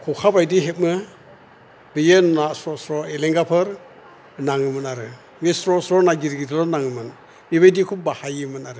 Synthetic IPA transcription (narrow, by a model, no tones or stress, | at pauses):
kʰɔkʰabajdiɦet̚mɯ | bɯjɯnasɾɔsɾɔeleŋɡapʰɯɾ | naŋɯmɯnaɾɯ | mesɾɔsɾɔnaɡiɾɡidlɔnaŋɯmɯn | miβajdikʰup̚bahajɯmɯnaɾɯ